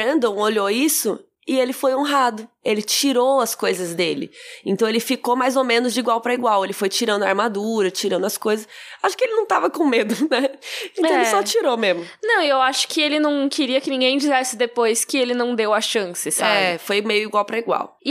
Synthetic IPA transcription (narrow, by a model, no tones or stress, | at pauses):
ɐ̃nd̪õw̃oʎoisʊ | ɪelɪfojõɦad̪ʊelɪt͡ʃiɾowɐskojzɐzd̪elɪ̰ẽnt̪ɐ̃w̃elɪfikomajzomẽnʊzd͡ʒɪiɡwawpɾɐiɡwawelɪfojt͡ʃiɾɐ̃nd̪ʊaɾmad̪uɾɐt͡ʃiɾɐ̃nd̪ʊɐskojzɐsaʃʊ̥kɪelɪnɐ̃w̃t̪avɐkõmed̪ʊnɛẽnt̪ɐ̃weɪɪsɔt͡ʃiɾomezmʊnɐ̃w̃ewaʃʊ̥kɪelɪnɐ̃w̃kʰɪɾiɐkɪnĩŋɡẽj̃d͡ʒizɛsɪd̪epojskɪelɪnɐ̃w̃d̪ewɐʃɐ̃sɪsaɛbɪfojmejʊiɡwawpɾɐiɡwa̰w